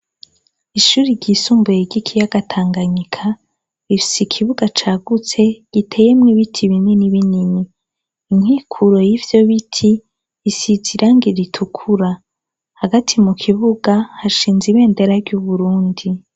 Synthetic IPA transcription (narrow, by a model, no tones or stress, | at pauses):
iʃuːɾiɾɟiːsuːmbujeɟikʰijaɡatʰaːŋɡaɲikʰa | ifi̥sikʰiβuɡat͡ʃaːɡut͡se̞ɡ̥itʰe̞jemŋiβitʰiβineniβininiː | ŋ̥hiːkʰuɾo̞jivjo̞βitʰiː | siziɾʔaŋɡiɾitʰukʰuɾa | haɡatʰimukʰiβuɡahaʃiːnziβe̞ːnde̞ɾaɾɟuβuɾuːndi